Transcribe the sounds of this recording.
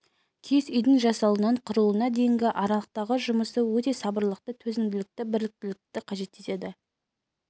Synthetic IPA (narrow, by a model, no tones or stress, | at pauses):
kʲʰezʏjd̪ɪŋʒɑsɑlˠənɑɴqʰʊɾulˠənɑd̪e̞jɪŋɡʲɪʔɑɾɑlˠəq̚t̪ɑʁəʒʊməsəwɵt̪e̞sɑbəɾlˠəq̚t̪ət̪ʰɵzɪmd̪ɪlɪk̚t̪ɪbɪɾlɪk̚t̪ɪlɪk̚t̪ɪqʰɑʒe̞t̪ːese̞d̪ɪ